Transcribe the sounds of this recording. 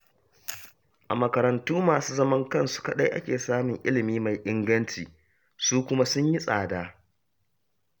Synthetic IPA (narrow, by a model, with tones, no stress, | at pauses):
ʔa˨mɐ˨kɐ˨ɾɐ˨ntuː˦maː˨suː˦zɐ˦mɐ˦ŋkɐ˦˨nsu̥˦kɐ˦ɗa˦jʔa̰˦kʲeː˨saː˦mɪ˨ŋʔɪ̰˦lɪ˨miː˦ma˨jʔɪ˦ŋɡɐ˦nt͡ʃiː˨ | suː˦kʷʊ˦ma˦sʊ˦ɲji˦sʼa̰ː˨daː˦